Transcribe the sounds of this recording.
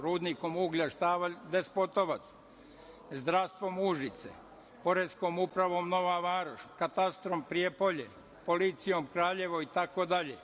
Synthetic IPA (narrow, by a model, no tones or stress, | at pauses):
ɾuːd̪niko̞muɡʎaʃt̪aːʋad̪espot̪oʋat̪s | zd̪ɾaʋst̪ʋo̞muʒit̪sḛ | po̞ɾeskomupɾaʋo̞mno̞ʋaʋaːɾoʃkat̪ast̪ɾompɾiepoʎḛ | po̞lit̪sijo̞mkɾaːʎe̞ʋoit̪akod̪aʎḛ